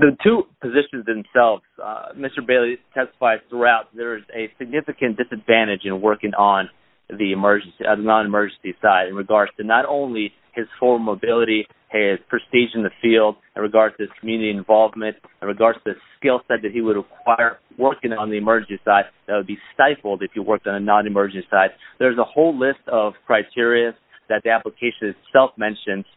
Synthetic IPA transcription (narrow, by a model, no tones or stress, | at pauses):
ðɨtʰʉpɨzɪʃɨ̃nzðɨ̃msɛlˠvz̥mɪstə˞beɪlˠitʰɛstə̥faɪdz̥θɹuaʊt̪̚ðə˞ɨzɨsɨɡ̚nɪfɨkɨ̃nd̥ɨsɨdvæ̃ɾ̃ɨd͡ʒɨ̃nwɜ˞kɪ̃ŋʔə̃n | ðiɨmɜ˞d͡ʒ̃n̩sinɑ̃nɨmɜ˞d͡ʒ̃n̩sisaɪɾɨ̃nɹɨɡɑɹd̥z̥tʰɨnəɾõʊ̃nli | ɪz̥fɔɹmoʊbɪlˠəɾi | ɪz̥pʰɹ̥ɨstid͡ʒɨ̃n̩ðɨfilˠd | ɨ̃nɹɨɡɑɹd̥tʰɨz̥kʰmjʉnɨɾiɨ̃ɱvɑlˠvmɨ̃nt | ɨ̃nɹɨɡɑɹd̥z̥tʰɨðɨskɪlˠsaɪd̪̚ðɨt̚hiwəd̚ɹəkʰw̥aɪə˞ | wɜ˞kɪ̃ŋə̃nðiɨmɜ˞d͡ʒnn̩nsisaɪd̪̚ðɨt̚wəd̚bistaɪfl̩ˠdɨfhɨwɜ˞k̚tn̩ðɨnɑ̃nɨmɜ˞d͡ʒn̩sisaɪd̪̚ðə˞zəhoʊlɪstʌv̥kʰɹ̥aɪtʰɪɹiɨz | ðɨt̪̚ðiæpləkʰeɪʃɨ̃nɨtsɛlˠfmɛ̃nʃɨ̃nz̥